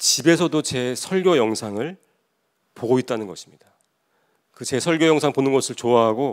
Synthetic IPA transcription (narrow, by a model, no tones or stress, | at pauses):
t͡ɕibe̞sʰʌdot͡ɕe̞sʰʌɭɡʲjojʌŋsʰaŋɯɭ | poɡoit̚t͈anɯnɡʌɕʰi̥mɲid̥a | kɯt͡ɕe̞sʰʌɭɡjojʌŋsʰaŋponɯnɡʌsʰɯɭt͡ɕoaɦaɡo